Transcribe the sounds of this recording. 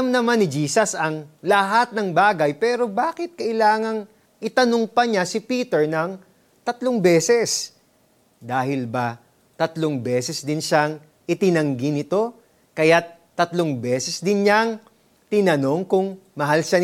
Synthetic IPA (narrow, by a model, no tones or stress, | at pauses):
mnɐmanːɪd͡ʒiːsɐsɐŋlɐɦat̪̚nɐŋbaːɡɐjpɛːɾo̞baːkɪt̪̚kɐʔɪlaːŋɐŋ | ʔɪt̪ɐnoŋpɐɲasɪpiːt̪ɛɹnɐŋ | t̪ɐt̪loŋbɛːsɛs | d̪aːhɪlbɐ | t̪ɐt̪loŋbɛːsɛsd̪ɪnʃaŋ | ʔɪt̪ɪnɐŋɡɪnɪt̪o̞ | kɐjat̪ːɐt̪loŋbɛːsɛsd̪ɪnɲaŋ | t̪ɪnɐno̞ŋkʊŋmɐɦalʃan